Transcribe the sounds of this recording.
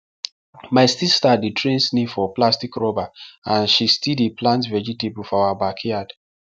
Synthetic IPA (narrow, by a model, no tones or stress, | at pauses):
maɪsistaditʰɹẽnsnifɔplastikɹɔbaãnʃistidiplãntvɛd͡ʒitebufɔawabakʰiad